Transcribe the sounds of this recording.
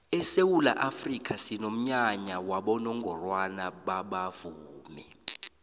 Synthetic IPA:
ɛsewula̰ʔafrikʰasinom̩ɲaɲawaɓɔnɔŋʱɔrwanaɓaɓavuːmɛ̰

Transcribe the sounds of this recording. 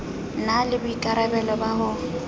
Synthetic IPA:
nalɪbʊikʼaɾabɛlɔbaɦʊ

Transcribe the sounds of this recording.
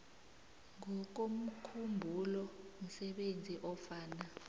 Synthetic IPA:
ŋɔk̬om̩kʰumbʱulɔm̩sɛɓend͡zʱiʔɔfaːna

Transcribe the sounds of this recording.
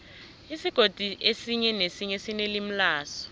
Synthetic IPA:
isiɡ̥ʱod̥ʱiʔesiɲɛnesiɲesinelim̩laːsɔ̥

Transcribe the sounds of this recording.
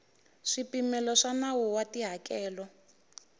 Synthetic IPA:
ʂipimɛlɔʂanawuwatiɦakɛːlɔ

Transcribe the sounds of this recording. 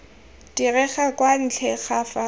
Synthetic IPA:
dirɛχakʼwan̩t͡ɬʰɛχafa

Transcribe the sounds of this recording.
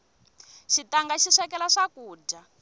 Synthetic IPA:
ʃitaŋɡaʃiʂɛkɛlaʂakuːd͡ʒa

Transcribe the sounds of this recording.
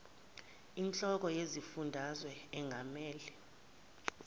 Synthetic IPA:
int͡ɬʼɔk̬ɔjezifundʱazwɛɛŋʱamɛːlɛ

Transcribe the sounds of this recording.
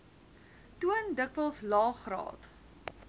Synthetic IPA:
tuəndəkvəlˠslɑːχrɑ̰ːt

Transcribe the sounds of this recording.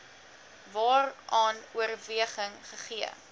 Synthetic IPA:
vɑːrʔɑːnuərviəχəŋχəχiə̰

